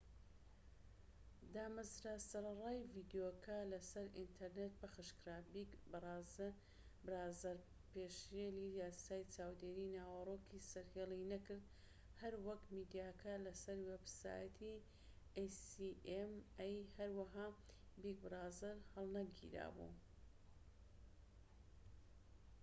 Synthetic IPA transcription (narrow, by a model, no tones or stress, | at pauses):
d̪aːmazɾaːsɐɾɐrˤaːjviːd̪jokʰɐlɐsɐɾḭnt̪ʰɐɾnet̪̚bɐxɨʃkɾaːbikbraːz | bɾaːzɐɾ | peːʃjelijaːsaːjt͡ʃaːwd̪eːɾinaːwɐroːkʰisɐɾheːlinɐkɨɾd̪ | hɐɾwɐkmiːd̪ijaːkɐlɐsɐɾwebsa̰ːjɐt̪ʰi | esiemɛjhɐɾwaɦaːbik̚bɨɾaːzɐɾhɐlˠnɐɡḭɾa̰ːbṵ